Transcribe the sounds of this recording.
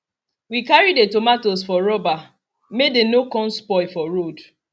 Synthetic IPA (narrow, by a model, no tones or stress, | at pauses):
wikaɹidetomatosfɔɾɔba | medenokɔ̃nspɔɪfɔɾod